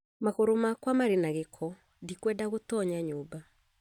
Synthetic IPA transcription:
maɣoɾomakwamaɾenaɣekʰɔ | dikwɛdaɣotɔɲaɲoːba

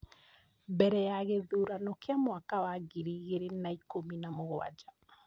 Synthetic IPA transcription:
bɛɾɛjaɣeðuɾanɔkeamwakawaɡiɾiːɣeɾenaikominamoɣwa̰d͡ʒa

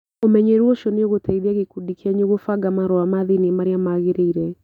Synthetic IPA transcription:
omɛɲeɾwɔʃɔneoɣotaiðiaɣekudikiaɲoɣofaɡamaɾɔamaðinimaɾeamaɣeɾeiɾɛ

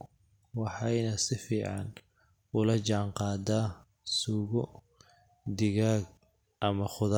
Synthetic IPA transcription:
wɑħɑjnɐsɪfiːʕɑ̰n | ʊlɐt͡ʃɑʕɴqɑːd̪aː | suːɣɔ | d̪ɪɣaːɡ | ʔɐmɐχʊða

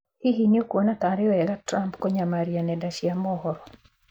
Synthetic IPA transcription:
hiɦinjokwonat̪aɾɪɔɛɡatɾampkɔɲamaɾjanɛdaʃjamɔhɔɾɔ

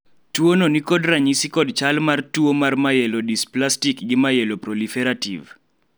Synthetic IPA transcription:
tuononikodraɲisikɔdt͡ʃalmartuomarmajɛlodisplastikɡɪmajɛlopɾɔlifɛɾatḭv

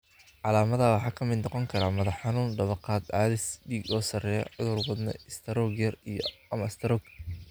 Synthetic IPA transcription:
ʕɑlaːmɐðawɑħɑːkʰɐmɪd̪nɔqɔŋkʰɐɾaːmɐðɐħħɑnuːnɖ̪ɐβɐqɑːd̪ʕɑːðɪsdiːɡɔːsɐrɛjɔʕʊðʊːrwɐd̪nɐ̰ɪst̪ʰɐɾɔɡjɐrijɔɐmɐst̪ʰɐɾɔːɡ

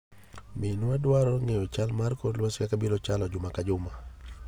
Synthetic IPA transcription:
mɪnadwaɾɔŋejot͡ʃalmarkodlwaskakabilɔt͡ʃalɔd͡ʒʊmakad͡ʒʊma

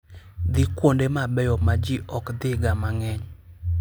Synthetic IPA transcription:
d̪ikwondemabɛjɔmad͡ʒiʔɔkd̪ɪɡamaŋɛɲ

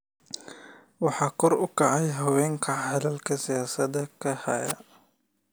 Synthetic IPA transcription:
wɑħɑːkʰɔɾʊkɑʕɑjɦɐwɛːŋkʰɐʕhɐlɐlkʰɐsɪjaːsɐd̪ɐkʰɐhɐ̰jɐ

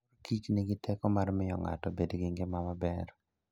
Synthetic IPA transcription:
kit͡ʃnɪɡɪtʰɛkɔmarmɪjɔ̰ŋa̰tɔbedɡɪŋɡemamabɛɾ

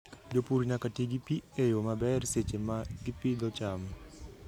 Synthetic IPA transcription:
d͡ʒopuɾinakatiɡipiejomabɛrset͡ʃemaɡɪpɪdɔt͡ʃam

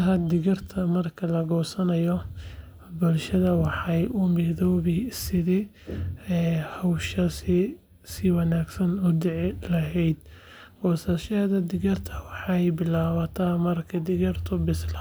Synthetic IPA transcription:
ɦɐd̪ɪɣɐrt̪ʰɐmɐrkʰɐlɐɡɔːsɐnɐjɔ | bʊlʃɐðɐwɑħɑjʔʊmɪðɔːβɪsɪðɛ | ɛːhɔwʃɐsɪ | sɪwɑnaːɡsɐnʊd̪ɪʕɪlɐɦɛjd̪ | bɔːsɐʃɐðɐd̪ɪɣɐrt̪ʰɐwɑħɑjbɪlaːwɐt̪ʰɐmɐrkʰɐd̪ɪɣɐrt̪ʰʊbɪsl

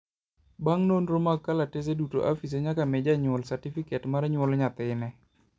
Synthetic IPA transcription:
baŋnonɾomaɡkːalates̬eduto̰ʔafis̬eɲakamɪd͡ʒaɲʊlsartifikɛtmaɾɛɲwɔlɲat̪ɪnɛ

